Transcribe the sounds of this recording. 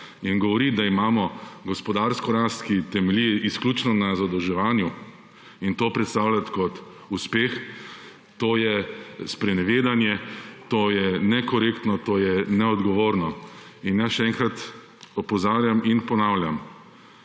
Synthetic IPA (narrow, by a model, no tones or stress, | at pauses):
inɡɔʋɔɾid̪aimaːmɔɡɔspɔd̪aːɾskɔɾast̪kit̪ɛmɛliɛʔisklʲuːt͡ʃnɔnazad̪ɔwʒɛʋaːnju | int̪oːpɾɛt̪st̪aːwlʲjat̪kɔt̪ | uspeːx | t̪oːjɛspɾɛnɛʋeːd̪anjɛt̪oːjɛnɛkɔɾeːkt̪nɔt̪oːjɛnɛɔd̪ɡɔʋoːɾnɔinjasʃɛɛŋkɾat̪ | ɔpɔzaːɾjaminpɔnaːwljam